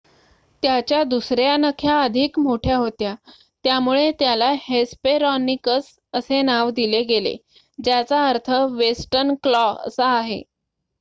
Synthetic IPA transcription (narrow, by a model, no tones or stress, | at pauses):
t̪jat͡ɕjad̪usɾjanəkʰjaəd̪ʱikmoʈʰjaɦot̪ja | t̪jamuɭet̪jalahespeɾɔnikəs | əsenaʋd̪ileɡelḛ | d͡ʑjat͡saəɾt̪ʰəʋesʈəɾnklɔə̰saːɦḛ